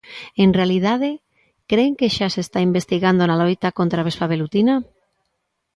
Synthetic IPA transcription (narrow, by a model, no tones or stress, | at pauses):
enrealið̞að̞e | kɾeŋkeʃasest̪aimbest̪iɣand̪onalojt̪akont̪ɾaβesfaβelut̪ina